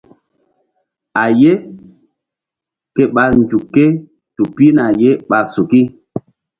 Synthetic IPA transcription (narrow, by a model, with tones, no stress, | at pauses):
a˨je˦ | ke˨ɓa˨n˨d͡ʒu˨kːe˦ | tu˨pi˦na˨je˦ɓa˨su˨ki˦